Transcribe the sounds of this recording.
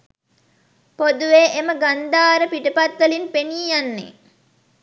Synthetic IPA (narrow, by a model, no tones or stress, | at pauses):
pod̪uʋeːʔeməɡand̪aːɾəpiʈəpat̪ːəlinpeniːjanːḛ